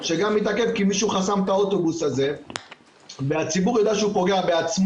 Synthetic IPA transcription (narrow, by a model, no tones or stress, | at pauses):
ʃe̞ɡamit̪ake̞vkimiʃuχasamt̪ao̞t̪o̞busaze̞ | veat͡sibuʁjodaʃeupo̞ɡe̞abeat͡sm